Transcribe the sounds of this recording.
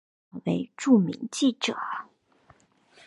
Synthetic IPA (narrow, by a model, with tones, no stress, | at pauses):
we˧˥ɪʈ͡ʂu˥˩mḭ˧˥ŋt͡ɕi˥˩ʈ͡ʂɤ˨˩˦